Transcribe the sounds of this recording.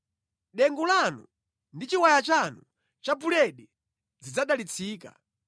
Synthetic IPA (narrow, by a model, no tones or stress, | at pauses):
ɗɛŋɡulanṵ | ndit͡ʃiwajat͡ʃanu | t͡ʃapulɛɗɛ | d͡zid͡zaɗalit͡sʰiːka̰